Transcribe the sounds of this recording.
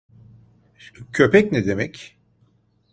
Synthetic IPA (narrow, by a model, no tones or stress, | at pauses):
cʰø̞pɛcnɛd̪emɛc